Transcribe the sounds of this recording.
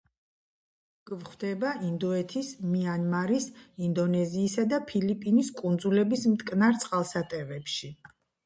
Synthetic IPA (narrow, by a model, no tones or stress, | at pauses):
ɡ̥vχwd̪ɛbaʔind̪ɔɛt̪ʰismianmaɾisind̪ɔnɛziːsad̪apʰilipʼiniskʼund̪zulɛbismt̪ʼkʼnaɾt̪sʼqʼalˠsat̪ʼɛvɛpʃi